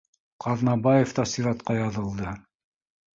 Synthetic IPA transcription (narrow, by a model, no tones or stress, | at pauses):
qʰɑðnɑbɑjeft̪ɑsiɾɑt̪qɑjɑðɤ̆lˠd̪ɤ